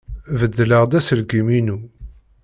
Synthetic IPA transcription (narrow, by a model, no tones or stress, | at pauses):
vəd̪ːləʁd̪æsəlɡiminu